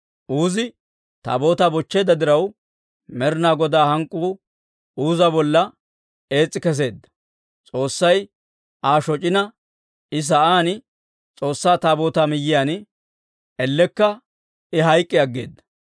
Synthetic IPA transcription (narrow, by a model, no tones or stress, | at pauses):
ʔuːzɪ | t̪a̰ːbo̞ːt̪aːbɔt͡ʃːeːd̪ɐd̪ɪɾɐw | mɛɾɪnaːɡɔd̪aːhɐŋkʼːuː | uːzɐbɔlːɐ | e̞ːt͡sʼːɪkɛs̬e̞ːd̪ːɐ̥ | t͡sʼo̞ːsːɐj | aːʃɔt͡ʃʼɪnɐ | ɪs̬ɐaːnɪ | t͡sʼo̞ːsːaːt̪aːbo̞ːt̪aːmɪjːɪjaːn | ɛlːɛkːɐ | ɪɦɐjkʼːɪɐɡːḛːd̪ːɐ̥